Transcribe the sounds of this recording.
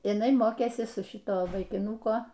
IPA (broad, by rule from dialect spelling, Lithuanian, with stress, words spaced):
jɪˈnɐɪ ˈmoːkʲeːsʲɪ sʊ ˈʃʲɪtoː ʋɐɪkʲɪˈnʊkoː